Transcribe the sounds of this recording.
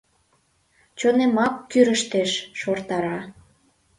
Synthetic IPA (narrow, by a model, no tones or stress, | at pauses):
t͡ɕonemɑkːyɾəʃt̪eʃːort̪ɑɾɑ